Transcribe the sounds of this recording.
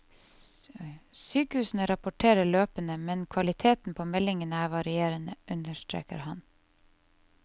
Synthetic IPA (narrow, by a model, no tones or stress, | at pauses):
syːkəhʉːsn̩əɾɑpʊʈʰeːɾəɭøːpənəmɛnkʰʋɑlɪt̪ʰeːt̪n̩pʰoːmɛlɪŋənəæːʋɑɾɪeːɾənəʔʉnəʃt̪ɾḛːkə̰ɾhɑn